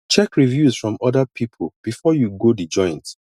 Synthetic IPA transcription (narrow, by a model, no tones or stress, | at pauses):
t͡ʃɛkɹivjuzfɹɔ̃mɔdapʰipʰolˠb̥ifɔjuɡodid͡ʒɔ̃ɪ̃nt